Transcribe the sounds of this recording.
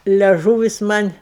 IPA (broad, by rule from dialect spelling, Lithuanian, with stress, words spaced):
lʲɛˈʒuːʋʲɪs ˈmɐnʲ